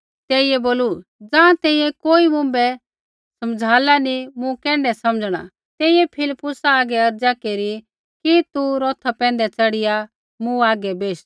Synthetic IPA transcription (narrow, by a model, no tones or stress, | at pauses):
t̪ɛːijɛboːlud͡zãːt̪ɛ̃ːĩjɛ̃koːimʊ̃mbɛ | sɐmd͡zʱaːlanimũkɛ̃ːɳɖɛsɐməd͡zɽ̃a̰ | t̪ɛːiɛpʰɪlɪpːʊsaaːɡɛɐɾd͡zakeːɾi | kit̪uɾɔːt̪ʰapɛ̃ːnd̪ɛt͡sɐɽɪja | mũaːɡɛbeːʃ